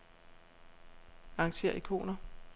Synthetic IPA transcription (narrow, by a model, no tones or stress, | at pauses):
ɑ̈ŋɕe̝̰ːɐ̰ikʰo̝̰ːnɐ